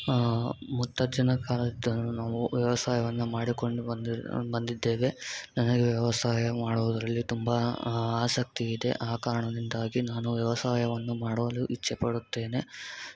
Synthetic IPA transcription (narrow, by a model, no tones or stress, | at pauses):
mut̪ːɐd͡ʒɐnɐkaːlɐd̪ɐnunaːʋuʋjɐʋɐsaːjɐʋɐnːɐmaːɽiko̞ɳɖubɐnd̪id̪ːeːʋe̞nɐnɐɡeʋjɐʋɐsaːjɐmaːɽuʋud̪ɐɾɐlːit̪umbɐaːsɐk̚t̪iːd̪e̞̰ʔaːkaːɾɐɳɐd̪ind̪aːɡinaːnuʋjɐʋɐsaːjɐʋɐnːumaːɽʋɐluʔit͡ʃːɛpɐɽut̪ːe̞ːne̞